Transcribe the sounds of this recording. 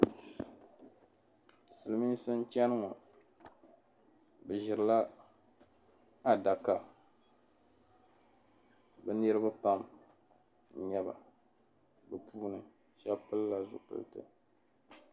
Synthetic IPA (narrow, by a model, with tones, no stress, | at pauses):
sɨ˨lɨ˨mi˦n˦sɨ˦n˦t͡ʃɛ˦nɨ˦ŋɔ˨ | bɛ˨ʒɪ˨ɾɨ˨la˦ | a˨da˨ka˨ | bɨ˦nɨ˦ɾɨ˦bɨ˦pa˦m˨ | ɲɛ˦ba̰˨ | bɨ˨puː˦nɨ˨ | ʃɛ˦pɨ˦lla˨zʊ̰˨pɨ̰˨ltɨ̰˨